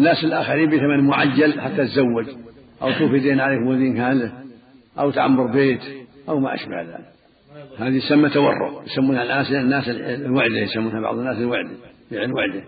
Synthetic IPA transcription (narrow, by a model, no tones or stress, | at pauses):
nːaːsɪlʔaːxaɾiːmbiːθamanmʊʕajːalħat̪ːat̪zawːad͡ʒ | ʔawt̪uːfid̪eːnʕaleːkmaðiːnkaːlɪ | ʔawt̪ʕa̰mːɑɾˤbeːt̪ʔawma̰ʔa̰ʃba̰hða̰ːlɪk | haːðisamːat̪awɑ̰rˤːʊ̰ʔjsamːuːnhalʔaːnsnːaːsllwaʕd̪ɪhjsamːuːnhabɑ̰ʕðˤənːaːsɪlwaʕd̪ɪ | fiʕɪlwaʕd̪ɪ